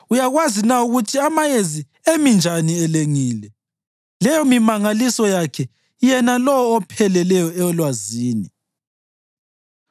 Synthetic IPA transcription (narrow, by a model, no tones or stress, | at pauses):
ujaɣwazinauɣutʰiamajezi | emind͡ʒʱaniɛleŋiːlɛ | lɛjɔmimaŋalisɔjakʰɛ | jɛnalɔwɔːpʰɛlɛlɛjɔɛɔlwaziːni